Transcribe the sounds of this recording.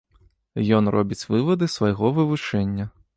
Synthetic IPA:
jɔnrɔbʲit͡sʲvɨvɐd̪ɨsvɐjɣɔvɨvut͡ʂɛnʲːɐ

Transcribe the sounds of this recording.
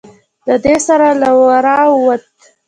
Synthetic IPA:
d̪əd̪esaɾalawaɾɑwət̪

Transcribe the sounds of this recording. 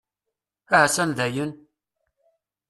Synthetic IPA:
aʕsænðæjən

